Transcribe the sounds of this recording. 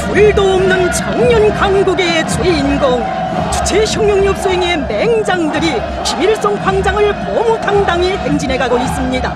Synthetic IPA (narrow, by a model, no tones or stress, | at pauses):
puɭdoːmnɯnt͡ɕaŋɲʌnkaŋɡuɡet͡ɕweinɡoŋ | t͡ɕu̥t͡ɕʰeɕʰʌŋjoŋɲup̚s͈oɦeŋe̞me̞ŋd͡ʑaŋdɯɾi | ɕimiɭs͈oŋkʰwaŋd͡ʑaŋɯɭpʌmotʰandaŋiheŋd͡ʑinɦe̞ɡaɡois͈ɯmɲida